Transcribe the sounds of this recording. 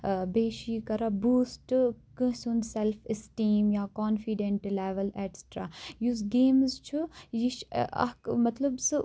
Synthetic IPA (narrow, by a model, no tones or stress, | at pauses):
beːʃiːkɐɾabuːsʈkɨ̃sũnd̪sɛlfesʈiːmjaːkɔːnfiɖẽɳʈleːʋəleːʈsʈɾaːjuːzɡeːmzt͡ʃʰujiʃɐ̰kmɐt̪lɐbsɨ